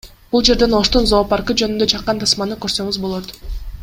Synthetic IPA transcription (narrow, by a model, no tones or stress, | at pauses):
b̥ulˠd͡ʒe̞ɾd̪e̞no̞ʃt̪unzo̞ːpɑɾkɯd͡ʒønynd̪øt͡ʃʰɑqːɑnt̪ʰɑsmɑnɯkø̞ɾsø̞ŋyzbo̞lˠot̪